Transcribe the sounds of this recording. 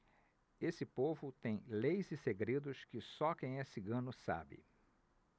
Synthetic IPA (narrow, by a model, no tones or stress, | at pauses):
esɪpovʊt̪ẽj̃lejzɪseɡɾed̪ʊskɪsɔkẽj̃ɛsiɡɐ̃nʊsa̰bɪ̰